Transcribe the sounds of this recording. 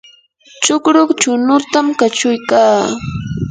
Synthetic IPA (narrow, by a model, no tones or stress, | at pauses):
t͡ʃʊkɾoχt͡ʃʊnʊt̪amkat͡ʃʊjkaː